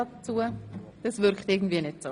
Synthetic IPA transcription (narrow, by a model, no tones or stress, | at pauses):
ɑt͡suəd̥ɑsvʏɾkχtɪɡn̩dviːənetsoː